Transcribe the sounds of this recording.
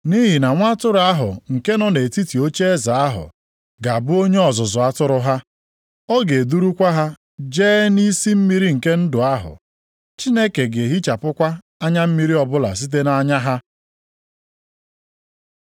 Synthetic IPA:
ni˦ɦi˨na˨ŋʷa˦tʊ˦ɾʊ˨a˦ɦʊ̰˨ŋ̩˨ke˦nɔ˦ne˨ti˦ti˨o˦t͡ʃe˦e˦za˨a˦ɦʊ̰˨ | ɡa˨a˨bʊ˦o˦ɲe˦ɔ˨zʊ˨zʊ˨a˦tʊ˦ɾʊ˦ɦa˦ | ɔ˦ɡe˨du˦ɾu˦kʷa˦ɦa˦ | d͡ʒeː˦ni˦si˦m̩˦mi˦ɾi˦ŋ̩˨ke˦n̩˦dʊ˨a˦ɦʊ̰˨ | t͡ʃi˦ne˦ke˨ɡe˨ɦi˦t͡ʃa˨pʊ˦kʷa˦ | a˦ɲa˦m̩˦mi˦ɾi˦ɔ˨bʊ˦la̰˨s̬i˦t̬e˦na˦ɲa˦ɦa˦

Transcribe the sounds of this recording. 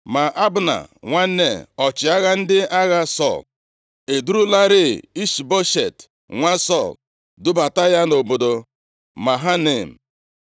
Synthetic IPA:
ma˨ʔa˦bʊ˨na̰˨ŋʷa˦ne˨ɔ˨t͡ʃɪ˨a˦ɣa˦n̩˦dɪ˦a˦ɣa˦sɔ̰˦˨l | e˨du˦ɾu˦la˦ɾe˦˨i˦ʃi˨bo˦ʃe˨t | ŋʷa˦sɔ˦˨l | dʊ˦ba˨ta˦ja˦no˨bo˨do˨ | ma˨ɦa˦ne˨m̩˨

